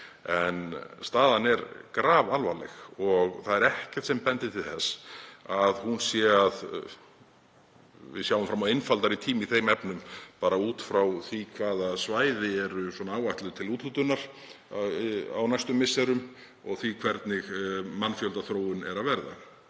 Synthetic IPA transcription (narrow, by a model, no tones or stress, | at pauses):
ɛnst̪aːðanɛɾkɾaːvalvalɛ̰xɔɣθaðɛɾɛhcɛ̥t̪sɛmpɛnt̪ɪt̪ʰɪlθɛsːaðhunsjɛað | vɪ̰ðsjawʏmfɾamawejnfalt̪aɾit̪ʰiːmiθejmɛpnʏmpaːɾauːt̪fɾawθikʰvaːðasvaːjðɪɛɾʏswɔnaaːwaht̪lʏðʏt̪ʰɪluːt̪lut̪ʏnːaɾ̥ | a̰wnajst̪ʏmːɪsːɛɾʏm | ɔɣθikʰvɛɾt̪nɪɣmanːfjœlt̪aθɾoːwɪnɛɾaðvɛɾða̰